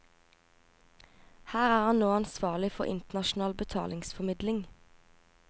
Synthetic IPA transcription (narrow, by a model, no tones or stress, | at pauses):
hæːʁæːʁhɑnnoːɑnsʋɑːʁlɪfɔ̰ʁʔɪ̰nt̪nɑʃn̩ɑːlbət̪ʰɑ̰ːlɪŋsfɔmɪd̪lɪŋ